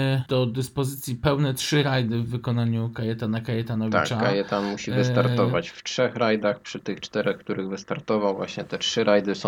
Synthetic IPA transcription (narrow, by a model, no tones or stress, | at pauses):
d̪̥ɔd̪ɘspɔzɘt̪sʲjipɛwnɛtʂɘɾajd̪ɘvːɘkɔnaɲukajɛt̪anakajɛt̪anɔvʲia̰kt͡ʃakajɛt̪anmuɕivɨst̪aɾt̪ɔvat͡ɕftʂɛxɾajd̪axpʂɘt̪ɘxt͡ʂt̪ɛɾɛxkt̪uɾɘɣvɘst̪aɾt̪ɔvawvwa̰ɕɲɛt̪ɛtʂɘɾajd̪ɘsɔ̃